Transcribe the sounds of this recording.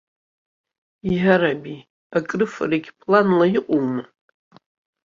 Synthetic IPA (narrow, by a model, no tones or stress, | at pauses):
iʕaɾabi | akʼrɨfa̰reɡʲpʰlanlajiqʷʼowmɨ